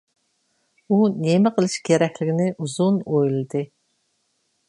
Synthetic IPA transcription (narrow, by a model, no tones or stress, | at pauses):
unemɪqʰəlˠɨʃkʲeɾɛkʲlɪɡʲinɪʔuzunojlˠɨd̪ɨ